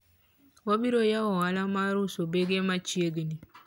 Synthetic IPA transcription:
wobiɾojawɔalamaɾusobeɡemat͡ʃieɡini

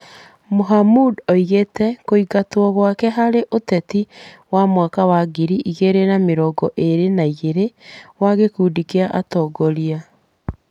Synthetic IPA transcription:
moɦamudɔiɣetɛkoiɣatwɔɣwakɛɦaɾeʔotɛtiwamwakawaɡiɾiʔiɣeɾenameɾɔːɡɔʔeɾenaiɣeɾewaɣekuːdikeaʔatɔːɡɔɾia

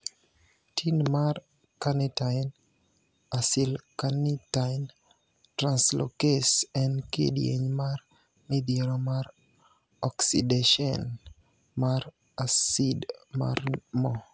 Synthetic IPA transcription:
tʰinmar | kanitan | asilkanitan | tɾanslo̰kesɛnkḛdjḛɲmar | mid̪eɾɔmar | ɔksideʃɔn | mar | asidma̰rmɔ

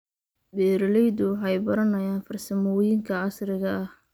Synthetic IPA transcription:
bɛːɾɐlɛjd̪ʊwɑħɑjbɐɾɐnɐjaːnfɐrsɐmɔːjɪŋkʰɐʕɑsɾɪɣɐʔɐh

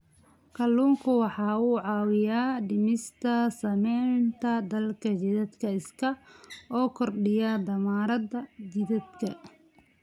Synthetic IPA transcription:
kʰɐlːuːŋkʰʊwɑħɑːuːʕɑːwɪjaːɖɪmɪst̪ʰɐsɐmɛːnt̪ʰɐd̪ɐlkʰɐd͡ʒɪðɐd̪kʰɐɪskʰɐɔːkʰɔrɖɪjaːd̪ɐmaːɾɐd̪ɐd͡ʒɪðɐd̪kʰɐ

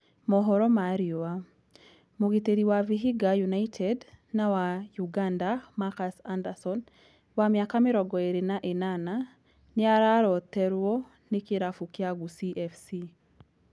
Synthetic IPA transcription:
mɔɦɔɾɔmaɾioa | moɣeteɾiwaviɦiɡajunaitʰɛdnawajuɡandamakasandasɔn | wamjakamɪɾɔɡɔeɾenaʔenana | nɪaɾaɾɔtɛɾwɔ | nekeɾafukjaɡusiʔɛfsi

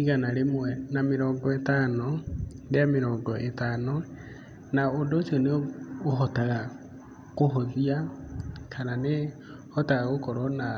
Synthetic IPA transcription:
iɣanaɾemwɛnameɾɔːŋɡɔetano | deameɾɔːŋɡɔʔetaːno | naodot͡ʃoneoɦɔtaɣa | ɣoɦoðiakʰanane | hɔtaɣaɣokɔɾɔna

